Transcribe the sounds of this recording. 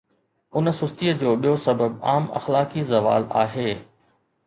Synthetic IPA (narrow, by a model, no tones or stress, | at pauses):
ʊnəsʊst̪iəd͡ʑoːɓijosɐbəb̚a̰ːmɐ̰xlaːkizɐʋa̰ːla̰ːɦeː